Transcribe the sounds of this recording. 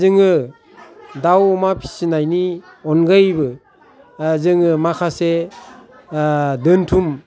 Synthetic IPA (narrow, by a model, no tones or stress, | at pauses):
zɯŋɯ | dawmapʰi̥sinajni | ɔnɡɯjbɯ | zɯŋɯmakʰase | dɯntʰum